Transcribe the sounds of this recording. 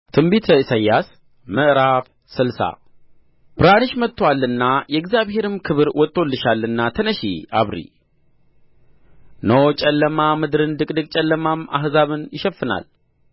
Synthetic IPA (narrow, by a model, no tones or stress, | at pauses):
t̪ʰɨmbit̪ʰəisajːas | məʔɾaf | sɨlsa̰ | b̥ɨɾanɨʃmət̪ʰːwalːɨnːajɛɡzijaβhe̞ɾɨmkʰɨβɨɾwɔt̪ʼːolːɨʃalːɨnːat̪ʰənəʃḭaβɾḭ | not͡ʃʼɛlːəmamɨd̪ɾɨnd̪ɨkʼd̪ɨkʼt͡ʃʼɛlːəmama̰ɦzaβɨnjɪʃɛfːɨna̰l